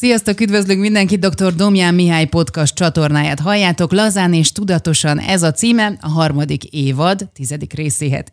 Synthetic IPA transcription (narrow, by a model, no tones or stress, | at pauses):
sijɒst̪okyd̪vø̞zlyŋkmind̪ɛŋkid̪o̞kt̪o̞rd̪o̞mjaːmːiɦaːjpo̞t̪kɒst̚t͡ʃɒt̪o̞rnaːja̰ːt̪ɦɒjːaːt̪o̞klɒzaːneːʃt̪ud̪ɒt̪o̞ʃɒnɛ̰zɒt̪siːmɛɒ̰ɦɒrmɒd̪ikeːvɒd̪t̪izɛd̪ikreːseːɦɛ̰t̪